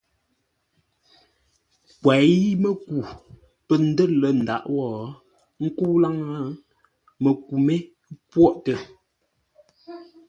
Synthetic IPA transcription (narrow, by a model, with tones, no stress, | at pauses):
kwɛ˨ji˦mə˦˨ku˨ | pə˨n̩˦də˦lə˨n̩˨da̰˨ʔwɔː˨˦ | ŋ̩˦ku˦la˦ŋa˦ | mə˨ku˨me˦ | pwɔ˦˨ʔtə˨